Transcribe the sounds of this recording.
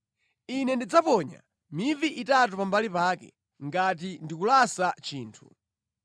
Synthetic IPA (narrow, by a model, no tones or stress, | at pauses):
inɛndid͡zapɔɲa̰ | miviʔitat̬upambalipaːkɛ̰ | ŋɡat̬indikulasat͡ʃiːntʰu̥